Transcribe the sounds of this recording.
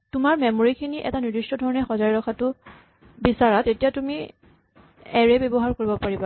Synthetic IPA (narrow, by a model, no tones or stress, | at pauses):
tʊmaɹmɛmoɹikʰiniʔɛ̰tanidistɔdʱɔɹɔnɛxɔzaɹɛɹɔkʰatʊ | bisaɹatetijatumi | ɛɹɛbebɔɦaɹkoɹibɔpaɹiba